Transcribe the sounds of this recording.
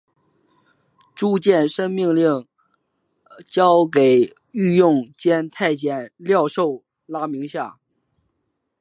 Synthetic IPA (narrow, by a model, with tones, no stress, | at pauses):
ʈ͡ʂu˥˧t͡ɕjɛ˥˩nʂə˥ŋmi˥˧ŋli˥˩ŋ | t͡ɕjɑ˥ʊke˨˩ɪ | y˥˧jʊ˥˩ŋt͡ɕjɛ˥nt̪ʰa˥˩ɪt͡ɕjɛ˥˨˩nljɑ˥˧ʊʂo˥˩ʊ | la˥mi˧˥ŋɕja̰˥˩